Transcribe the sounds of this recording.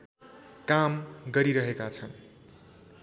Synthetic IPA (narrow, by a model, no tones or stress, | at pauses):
kamɡʌɾiɾʌɦekat͡sʰʌn